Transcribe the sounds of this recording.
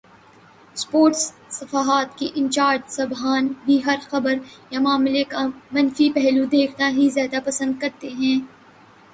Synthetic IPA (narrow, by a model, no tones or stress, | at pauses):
spoːɾʈsː | ɐfaːɦaːt̪kiʔɪ̃nt͡ʃaːɾd͡ʒsɐbɦaːnbʱiɦɐɾxɐbəɾjamaːmlekamɐ̃nfipɛɦlud̪eːkʰnaɦizjaːd̪apɐsə̃nd̪̚kɐɾt̪eɦɛ̃ː